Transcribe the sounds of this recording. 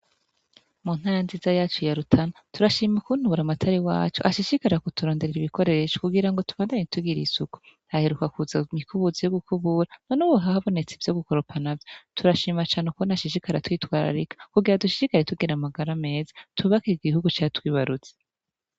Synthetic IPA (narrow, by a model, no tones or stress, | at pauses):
mun̥haːɾanzizajaːt͡ʃojaɾutʰanatuɾaʃiːmakun̥uβuɾamatʰaɾiwa̰ːt͡ʃoʔaʃiʃikaɾɾakotuɾo̞ːndeeɾiβiko̞ɾe̞ːʃo̥kuɡiɾaŋɡo̞tuβaːndaɲetuɡiɾḭsuku̥ | ahe̞ɾukakuzamikuβuzijoɡukuβuɾanonuwoɦahaβo̞ne̞t͡sev̥jo̞ɡuko̞ɾopʰanavjotuɾaʃiːmat͡ʃaːnekonaʃiʃikaɾatwiːtwaːɾa̰ɾikḁkuɡiɾaduʃi̥ʃikaɾetuɡiɾamaɡaɾame̞ːzatuβakiɾiɡɡihuɡut͡ʃaːtwiːβaɾut͡se̥